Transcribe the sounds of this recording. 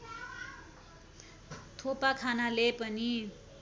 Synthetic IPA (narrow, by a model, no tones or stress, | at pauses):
t̪ʰopakʰanalepʌni